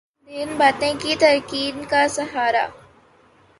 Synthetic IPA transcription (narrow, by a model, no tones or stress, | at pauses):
d̪ɪnbaːt̪ẽkit̪ɐɾkiːnkasɐɦaːɾa̰